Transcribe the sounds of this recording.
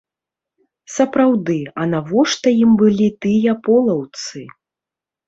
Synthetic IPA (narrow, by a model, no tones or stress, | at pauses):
sɐpɾawd̪ɨɐnavɔʂt̪ɐjimbɨlʲit̪ɨjɐpɔlˠɐwt̪sɨ